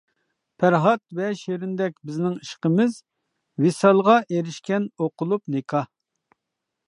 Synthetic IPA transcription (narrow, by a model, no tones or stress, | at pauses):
pʰæɾɦɑt̪vɛʃeɾɪnd̪ɛkʲbɪznɪŋiʃqəmɪz | wisɑlˠʁɑʔeɾɪʃkʲɛnoqʰʊlˠupnekʰɑ